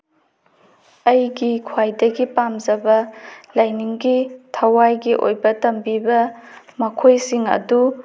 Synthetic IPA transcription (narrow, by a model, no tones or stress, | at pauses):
ɐjɡikʰwajdɐɡipamzɐbɐlajniŋɡitʰɐwajɡiʔo̰jbɐtɐmbibɐ | mɐkʰojsiŋɐ̰du